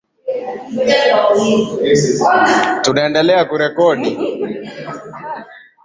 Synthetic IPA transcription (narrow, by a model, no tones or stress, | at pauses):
tunaɛndɛlɛakuɾɛkɔɗi